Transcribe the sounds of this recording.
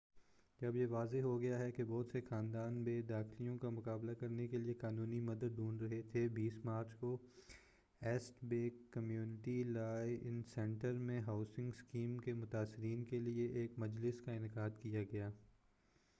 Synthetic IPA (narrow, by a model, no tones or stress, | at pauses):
d͡ʒɐbjeʋaːzeɦoɡɐjaɦɛkebɔːt̪sexãːnd̪aːnbeːd̪aːxɪlijõkamʊkaːblakɐɾnekeliekaːnũːnimɐd̪əd̪ːũːnɾɐɦet̪ʰebiːsmaːɾt͡ʃko | ɛːsʈbeːkːɐmjuːnɪʈilaːeɪnsɛ̃ɳʈəɾmẽɦaːʊsɪ̃ŋɡskiːmkemʊt̪aːsːɪɾiːnkelieʔeːkmɐd͡ʒlɪskaɪnɪqaːd̪kijaɡɐjaː